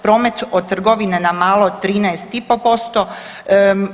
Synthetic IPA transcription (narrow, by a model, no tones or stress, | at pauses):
pɾoːme̞t̪od̪̚t̪ːr̩ɡo̞ʋinenamaːlˠot̪ːɾiːnɛest̪ipopo̞st̪o